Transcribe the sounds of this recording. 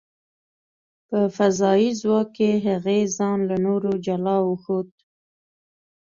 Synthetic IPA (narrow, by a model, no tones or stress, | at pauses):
pəfazɑizwɑkːeɦaɣezɑnlanoɾod͡ʒalɑwəxod̪̚